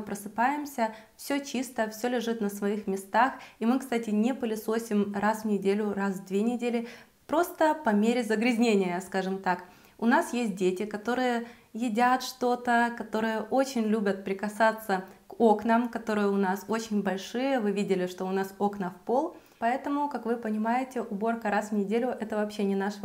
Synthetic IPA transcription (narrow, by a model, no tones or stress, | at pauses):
ɨpɾəsɨpajɪmsʲə | fsʲɵt͡ɕist̪əfsʲɵlʲɪʐɨt̪nəsvɐixmʲɪst̪aximɨkst̪atʲɪnʲepəlʲɪsosʲɪmrasvnʲɪdʲelʲʊrasd̪vʲenʲɪdʲelʲɪ | pɾo̞st̪əpɐmʲeɾʲɪzəɡɾʲɪzʲnʲenʲɪjəskaʐɨmt̪ak | ʊnasjesʲt̚ʲdʲetʲɪkɐt̪o̞ɾɨjə | jɪdʲat̪ʂt̪o̞t̪əkɐt̪o̞ɾɨjəʔot͡ɕɪnʲlʲubʲət̪̚pɾʲɪkɐsat̪sːəko̞knəmkɐt̪o̞ɾɨjəʊnaso̞t͡ɕɪnʲbɐlʲʂɨjəvɨvʲidʲɪlʲɪʂt̪o̞ʊnaso̞knəfpo̞lˠ | pɐɛt̪əmʊkakvɨpənʲɪmajɪtʲɪʔʊbo̞rkəɾasvnʲɪdʲelʲʊʔɛt̪əvɐpɕːenʲɪnaʂə